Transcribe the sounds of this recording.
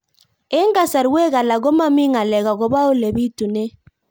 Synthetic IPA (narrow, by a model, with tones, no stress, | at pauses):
e˦ŋɡa˦˨sa˨ɾwe˦ɣa˨la˨ɡo˦ma˦mi˦ŋa˨lɛ˨ɣa˨ɣɔ˨ba˦o˦le˨bi˦tu˨ne˦